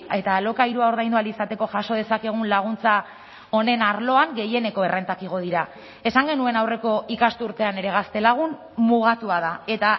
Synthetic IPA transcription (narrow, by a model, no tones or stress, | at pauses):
e̞t̪alo̞kaiɾuao̞ɾðajnd̪ualisat̪e̞ko̞ʝaso̞ð̞e̞sake̞ɣ̞unlaɣ̞unt͡sa | o̞ne̞naɾlo̞aŋɡe̞je̞ne̞ko̞e̞re̞nt̪akiɣ̞o̞ð̞iɾa | e̞saŋɡe̞nue̞nawre̞ko̞ikast̪uɾt̪e̞ane̞ɾe̞ɣ̞ast̪e̞laɣ̞un | muɣ̞at̪uað̞ae̞t̪a